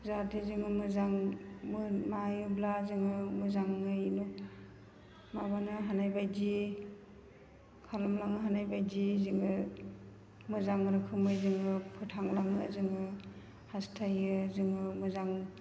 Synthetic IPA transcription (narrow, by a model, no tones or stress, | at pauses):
zatʰezɯŋɯmɯzaŋmɯmajublazɯŋɯmɯzaŋːɯjnu | mabanɯɦanajbajd͡ʒi | kʰalamlaŋɯɦanajbajd͡ʒiziŋɯ | mɯzaŋɾɯkʰɯmɯjzɯŋɯpʰɯtʰaŋlaŋɯzɯŋɯ | hastʰajɯzɯŋɯmɯzaŋ